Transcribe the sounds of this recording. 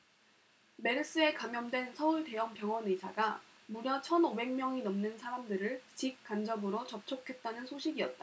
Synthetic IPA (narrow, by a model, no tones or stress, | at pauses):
me̞ɾɯs͈ɯe̞kamjʌndwe̞nsʰʌuɭte̞jʌmpjʌŋʌnesʰa̰ɡa | muɾjʌt͡ɕʰʌnobe̞ŋmjʌŋinʌmnɯnsʰaɾamdɯɾɯɭt͡ɕik̚k͈and͡ʑʌbɯɾot͡ɕʌp̚t͡ɕʰokʰe̞t̚t͈anɯnsʰoɕʰiɡiʌt̚t͈a